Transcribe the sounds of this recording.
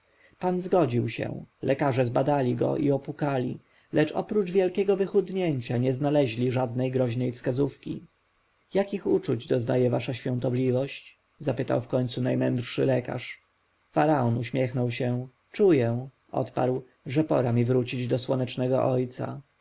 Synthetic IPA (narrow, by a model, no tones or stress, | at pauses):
panzɡɔd͡ʑiwɕɛ̰̃lʔɛkaʐɛzbad̪alʲiɡɔ̰ʔiɔpukalʲḭ | lɛt͡ʂɔ̰pɾud͡ʐvʲjɛlkʲɛɡɔvɘxud̪ɲɛɲt͡ɕaɲɛznalɛʑlʲiʐad̪nɛjɡɾɔʑnɛjfskazufkʲi | jakʲixut͡ʂud͡ʑd̪ɔznajɛvaʂaɕfʲɔ̃ñt̪ɔblʲivɔɕt͡ɕ | zapɘt̪a̰wfkɔɲt̪sunajmɛnd̪ɾʂɘlɛka̰ʂ | faɾaɔnuɕmʲjɛxnɔwɕɛ | t͡ʂujɛ | ɔ̰t̪pa̰ɾw | ʐɛpɔ̰ɾamʲivɾut͡ɕid͡ʑd̪ɔswɔnɛt͡ʂnɛɡɔ̰ʔɔjt̪sa̰